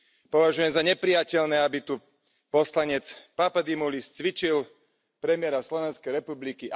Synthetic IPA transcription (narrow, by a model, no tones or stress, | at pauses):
pɔʋaʒujɛmzaɲɛpɾijacɛʎnɛabit̪u | pɔslaɲɛt͡spapad̪imulist͡sʋit͡ʃil | pɾɛmɪɛɾaslɔʋɛnskɛjɾɛpublikiʔ